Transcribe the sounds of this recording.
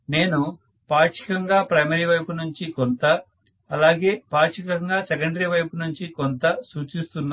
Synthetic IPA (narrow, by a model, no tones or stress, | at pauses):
ne̞ːnu | paːʂi̥kɐŋɡaːpɾɐjmɐɾiʋɐjpunuɲt͡ʃikont̪ɐ | ɐlaːɡe̞ːpaːʂikɐŋɡaːsɛkɐɳɖɐɾiʋɐjpunuɲt͡ʃikont̪ɐsuːt͡ʃist̪unːa